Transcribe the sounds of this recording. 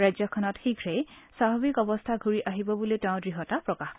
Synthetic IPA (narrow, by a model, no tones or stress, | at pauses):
ɹazɔkʰɔnɔtxiɡʱɹejsaɦɔbikɔbɔstʰaɡʱuɹiʔaɦibɔbulitɛʊ̃dɹiɦɔtapɹɔkaxk